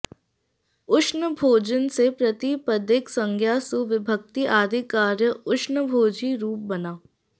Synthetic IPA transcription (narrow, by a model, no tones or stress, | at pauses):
ʊʃnəbʱoːd͡ʒənsepɾət̪ipəd̪ɪksə̃ŋɡʰʱjaːsuʋɪbʱək̚t̪iʔaːɾikaːɾjəʊʃnəbʱoːd͡ʒiɾuːp̚bɐnaː